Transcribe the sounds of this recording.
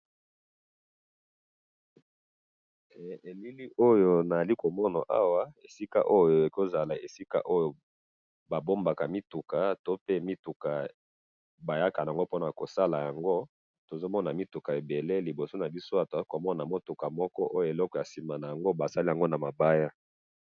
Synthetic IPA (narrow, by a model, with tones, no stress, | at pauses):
e˨li˦li˦ʔo˦jo˨na˨a˨li˦ko˨mɔ˦na˨ʔa˦wa˦e˨si˦ka̰˦ʔo˦jo˨e˨ko˦za˨la˨e˨si˦ka̰˦ʔo˦jo˨ | ba˨bo˦mba˨ka˨mi˦tu˨ka˨to˦pe˦mi˦tu˨ka˨ | ba˨ja˦ka˨na˨ŋɡo˦po˦na˨ko˨sa˦la˨ja˨ŋɡo˦ | to˨zo˦mɔ˦na˨mi˦tu˨ka˨e˨be˨le˦li˨bo˨so˦na˨bi˦so˦a˨to˨a˨˦ko˨mɔ˦na˨mo˦tu˨ka˨mɔ˦kɔ˦ʔo˦jo˨e˨lɔ˦kɔ˨ja˨si˨ma˨na˨ja˨ŋɡo˦ba˨sa˦li˦ja˨ŋɡo˦na˨ma˨ba˦ja˦